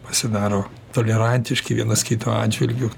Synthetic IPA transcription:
pɐsʲɪd̪ɑːɾoː | t̪oːlʲɛɾɐnʲt̪ʲɪʃkɪʋʲiɛnɐskʲit̪oɑ̰ːd͡ʒʲʋʲɪlʲɡʲʊ

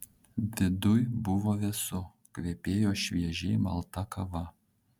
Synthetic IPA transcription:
d̪ʲɪd̪ʊjbʊʋoʋʲɛsʊ | kʋʲeːpʲeːjoːʃʲʋʲiɛʒʲeːmɐ̰lˠt̪ɐkɐʋɐ

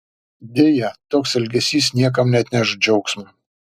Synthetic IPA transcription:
d̪ʲeːjɛt̪oːksɛlʲɡʲɛsʲiːsnʲiɛk̬ɐmnʲɛɐt̪ʲnʲɛʃd͡ʒʲɛʊksmʊ

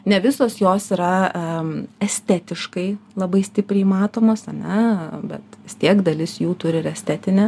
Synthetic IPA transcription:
nʲɛʋʲɪsoːsjoːsiɾɐ | ɛsʲt̪ʲæt̪ʲɪʃkɐɪlˠɐbɐɪsʲt̪ʲɪpʲɾʲɛɪmɑːt̪oːmoːsɐnʲɛbʲɛt̪ʋʲɪst̪ʲiɛkd̪ɐlʲɪsjuːt̪ʊɾʲɪɪɾɛsʲt̪ʲæːt̪ʲɪnʲɛ

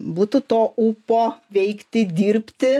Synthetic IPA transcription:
buːt̪ʊt̪oːʔupoːʋʲɛɪkt̪ʲɪd̪ʲiːɾʲpʲt̪ʲɪ

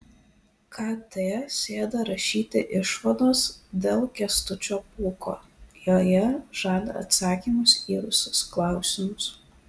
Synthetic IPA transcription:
kʰɑːt̪ʲesʲeːd̪ɐɾɐʃʲiːt̪ʲɪʔɪʃʋɐd̪oːsd̪ʲeːlˠkʲɛst̪ʊt͡ʃʲoːpuːko̰ː | joːjɛʒ̥ɑːd̪ɐ̰ɐ̰t̪sɑːkʲiːmʊsiːɾʊsʲʊsklˠɑˑʊsʲɪmʊs

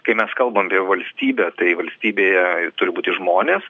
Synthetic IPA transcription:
kɐɪmʲɛskɐlˠbɐmɐpʲiɛʋɐlʲsʲt̪ʲiːbʲɛːt̪ɐɪʋɐlʲsʲt̪ʲiːbʲeːjɛt̪ʊɾʲɪbuːt̪ʲɪʒmoːnʲeːs

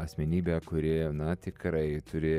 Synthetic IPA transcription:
ɐsʲmʲɛnʲiːbʲɛːkʊɾʲɪnɐt̪ʲɪkɾɐɪt̪ʊɾʲɪ

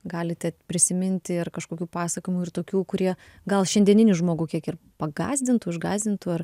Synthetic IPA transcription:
ɡɑːlʲɪt̪ʲɛpʲɾʲɪsʲɪmʲɪnʲt̪ʲɪɐrkɐʃkoːkʲuːpɑːsɐkoɪmuɪrt̪oːkʲuːkʊɾʲiɛ | ɡɐlˠʃʲɛnʲd̪ʲiɛnʲɪnʲʊʒmoːɡuːkʲiɛkɪr | pɐɡɑ̰ːzʲd̪ʲɪnt̪ʊɪʒɡɑːzʲd̪ʲɪnt̪ʊɐr

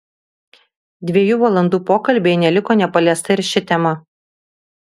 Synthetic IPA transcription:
d̪ʲʋʲiɛjuːʋɐlˠɐnd̪uːpoːkɐlʲbʲeɪnʲɛlʲɪkoːnʲɛpɐlʲiɛst̪ɐɪɾʃʲɪt̪ʲɛmɐ

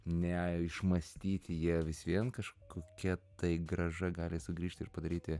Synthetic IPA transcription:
nʲɛɪʃmɐsʲt̪ʲiːt̪ʲɪjiɛʋʲɪsʋʲiɛnkɐʃkoːkʲɛt̪ɐɪɡrɐʒɐɡɑːlʲɪsʊɡɾʲiːʃʲt̪ʲɪɾpɐd̪ɐɾʲiːt̪ʲɪ

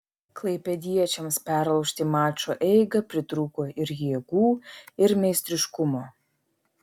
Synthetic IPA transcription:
klˠɐɪpʲɛd̪ʲiɛt͡ʃʲɛmspʲæɾɐʊʃʲt̪ʲɪmɑːt͡ʃoːʔɛɪɡɐpʲɾʲɪt̪ɾuːkoːɪɾjiɛɡuːɪɾmʲɛɪsʲt̪ʲɾʲɪʃkʊmoː

